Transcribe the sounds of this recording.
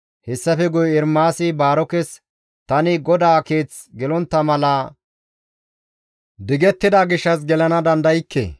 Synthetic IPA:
hɛsːɐfɛɡʊjɪɾmaːsɪbaːɾɔkɛs | t̪ɐnɪɡɔd̪aːke̞ːt͡s | ɡɛlɔnt̪ːɐmɐlɐː | d̪ɪɡɛt̪ːɪd̪aɡɪʃːɐs̬ɡɛlɐnɐd̪ɐnd̪ɐjɪkːḛː

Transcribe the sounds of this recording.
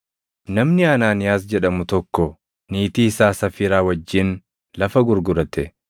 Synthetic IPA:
nɐmnɪɐnaːnɪjaːs̬d͡ʒɛᶑɐmʊt̪ɔkːɔ | niːt̪iːsaːsɐfiɾaːwɐd͡ʒːɪn | lɐfɐɡʊɾɡʊɾɐt̪ɛ

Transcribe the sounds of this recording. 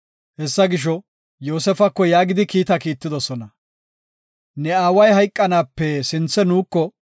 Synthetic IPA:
hɛsːɐɡɪʃ̬ɔ | joːsɛfɐkːɔjaːɡɪd̪ɪkiːt̪ɐkiːt̪ːɪd̪ɔsɔnɐ | nɛaːwɐjɦɐjkʼːɐnaːpːɛsɪnt͡sːɛnuːkːɔ

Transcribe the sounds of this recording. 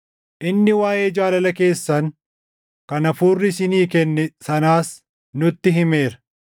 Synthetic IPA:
ʔɪnːɪwaːje̞ːd͡ʒaːlɐlɐke̞ːsːɐn | kɐnɐfuːrːɪsɪniːkɛnːɛsɐnaːs | nʊt̪ːɪɦɪme̞ːɾɐ

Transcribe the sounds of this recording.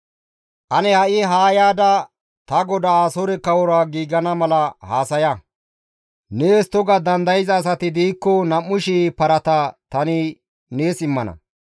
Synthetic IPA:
ʔɐnɛhɐʔɪɦaːjaːd̪ɐ | t̪ɐɡɔd̪aːsɔɾɛkɐwɔɾaːɡiːɡɐnɐmɐlɐhaːsɐjɐ | neːst̪ːɔɡɐd̪ɐnd̪ɐjɪzɐːs̬ɐt̪ɪd̪iːkːɔnɐmːʊʃipɐɾɐt̪ɐt̪ɐnɪ | neːsɪmːɐnɐ̰

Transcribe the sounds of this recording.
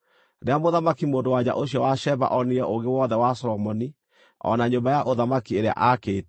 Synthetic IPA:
ɾeamoðamakimoːndowaɲa̰ʔoɕiɔwaʃɛβa̰ʔɔniɾɛʔoɡewɔðɛwasɔɾɔmɔni | ɔ̰naɲombajaʔoðamakieɾea̰ʔakeːt

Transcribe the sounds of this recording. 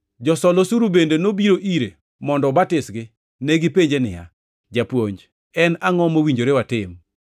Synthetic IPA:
d͡ʒɔsɔlosuɾubendenobiɾoʔiɾe | mɔndɔbatɪsɡɪ | nɛɡɪpeɲd͡ʒenɪ̰ja̰ | d͡ʒapwoɲd͡ʒ | ɛnaŋɔmowiɲd͡ʒoɾewatɪm

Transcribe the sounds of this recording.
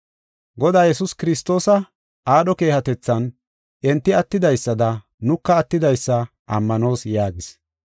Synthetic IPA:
ɡɔd̪aːjɛsʊskɪɾɪst̪o̞ːsɐ | ʔaːɗɔke̞ːhɐt̪ɛt͡sːɐn | ʔɛnt̪ːɪɐt̪ːɪd̪ɐjsːɐd̪ɐ | nʊkːɐːt̪ːɪd̪ɐjsːɐ | ʔɐmːɐno̞ːsjaːɡɪs

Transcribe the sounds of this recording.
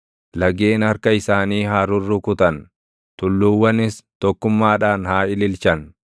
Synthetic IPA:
lɐɡeːnɐɾkɐɪsaːniːɦaːɾʊrːʊkʊt̪ɐn | t̪ʊlːuːwːɐnɪst̪ɔkːʊmːaːᶑaːnhaːɪlɪlt͡ʃɐn

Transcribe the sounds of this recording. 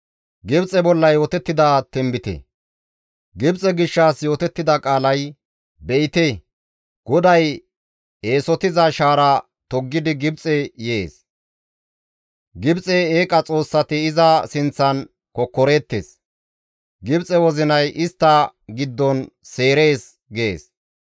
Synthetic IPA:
ɡɪbt͡sʼɛbɔlːɐjo̞ːt̪ɛt̪ːɪd̪ɐt̪ɛmbɪt̪ɛ̰ | ɡɪbt͡sʼɛɡɪʃːaːsjo̞ːt̪ɛt̪ːɪd̪ɐkʼaːlɐj | bɛʔɪt̪eː | ɡ̥ɔd̪ɐj | eːsɔt̪ɪzɐʃaːɾɐ | t̪ɔɡːɪd̪ɪɡɪbt͡sʼɛjeːs | ɡɪbt͡sʼɛeːkʼɐt͡sʼo̞ːsːɐt̪ɪːzɐsɪnt͡sːɐn | kɔkːɔɾe̞ːt̪ːḛs | ɡɪbt͡sʼɛwɔzɪnɐjʔɪst̪ːɐɡɪd̪ːɔnse̞ːɾe̞ːs | ɡeːs

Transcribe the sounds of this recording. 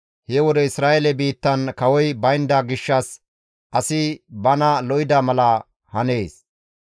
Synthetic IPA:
hɛwɔd̪ɛɪsɾaːʔelɛbiːt̪ːɐnkɐwɔjbɐjnd̪aɡɪʃːɐs | ʔɐsɪbɐnɐlɔjɪd̪amɐlɐ | hɐneːs

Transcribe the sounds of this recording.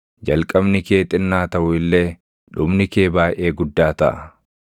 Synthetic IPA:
d͡ʒɐlkʼɐbnɪkeːt̪ʼɪnːaːt̪ɐʔʊɪlːe̞ː | ᶑʊbnɪkeːbaːʔʔe̞ːɡʊd̪ːaːt̪ɐʔɐ

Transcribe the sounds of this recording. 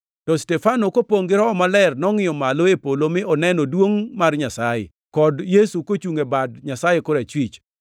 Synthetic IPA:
tɔstɛfanokopoŋɡɪɾɔɔmalɛrnɔŋɪjɔmaloepolomɪɔnɛnodwoŋmarɲasajḛ | kɔdjesukot͡ʃuŋebadɲasajekoɾat͡ʃwit͡ʃ

